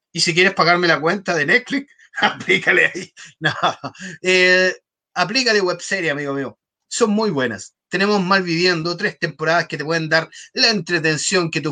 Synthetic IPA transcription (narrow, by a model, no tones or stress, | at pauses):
isik̬je̞ɾespaɣaɾmelakwe̞nt̪aðenet̪flik | aplikaleainaae | ap̬likalewebseɾjeamiɣomio | so̞nmujβwe̞nast̪ene̞mo̞zmalβiβje̞nd̪ot̪ɾest̪e̞mpoɾaðasket̪epweðend̪aɾlaent̪ɾet̪e̞nsjo̞ŋket̪̬u